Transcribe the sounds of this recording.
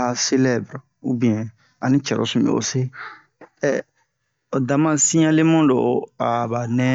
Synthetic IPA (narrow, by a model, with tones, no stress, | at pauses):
a˨se˦lɛ˦bɾ | u˦bĩ˨ɛ̃˨ | a˨ni˦t͡ʃɛ˨ɾɔ̰˦˨sũ˨bɛ̰˨o̰˨se˦ | ɛ˨ | da˨mã˦sĩ˦ɲa˦le˦mũ˦dɔ˨a˨ba˨nɛ̃˦